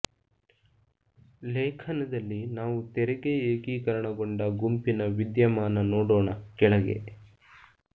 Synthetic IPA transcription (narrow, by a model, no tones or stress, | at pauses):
leːkʰɐnɐd̪ɐlːinaːʋut̪ɛɾeɡeeːɡiːkɐɾɐɳɐɡoɳɖɐɡumpinɐʋid̪jɐmaːnɐnoːɽoːɳɐkɛɭɐɡe̞̰